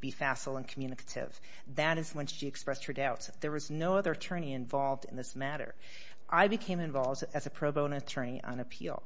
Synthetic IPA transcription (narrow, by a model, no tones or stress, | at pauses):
b̥ifæsl̩ˠə̃nkʰm̩jʉnɨkʰə̥ɾɪ̰v̥ | ðɨɾɨzwə̃nsʃiɨkspɹɛst̚hə˞daʊtsðə˞wʌznoʊʌðə˞ɨtʰɜ̃˞ñiɨ̃ɱvɑlˠvdɨ̰̃nðɪsmæɾə̰˞ | ʔaɪbɨkʰẽɪ̃mɨ̃ɱvɑlˠvdɨzɨpʰɹ̥oʊboʊ̃nɨtʰɜ̃˞ñiʔə̰̃nɨpʰḭlˠ